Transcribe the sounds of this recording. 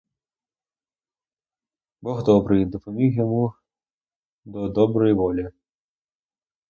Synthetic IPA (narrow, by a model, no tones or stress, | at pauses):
bɔɣd̪ɔbɾɨjid̪ɔpɔmʲiwjɔmu | d̪ɔd̪ɔbɾɔjiʋɔlʲi